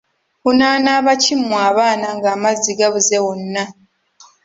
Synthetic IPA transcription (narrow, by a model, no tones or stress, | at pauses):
unaːnaːβacimuaːβaːnaŋɡaːmaziɡaβuzewonːa